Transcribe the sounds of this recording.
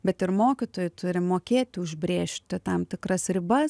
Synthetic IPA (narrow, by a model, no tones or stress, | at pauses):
bʲɛt̪ɪɾmoːkʲɪt̪oːjʊt̪ʰʊɾʲɪmoːkʲeːt̪ʲɪʊʒʲbʲɾʲeːʃʲt̪ʲɪt̪ɐmt̪ʲɪkɾɐsɾʲɪbɐs